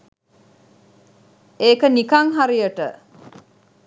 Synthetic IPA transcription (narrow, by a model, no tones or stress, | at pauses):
eːkənikaŋɦaɾijəʈə